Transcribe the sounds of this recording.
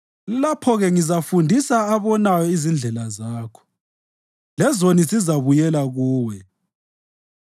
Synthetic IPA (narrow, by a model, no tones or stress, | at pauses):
lapʰɔɣɛŋizafundʱisaːβɔnajɔizind͡ɮʱɛlazaːkʰɔ̥ | lɛzonisizaβujɛlaɣuːwɛ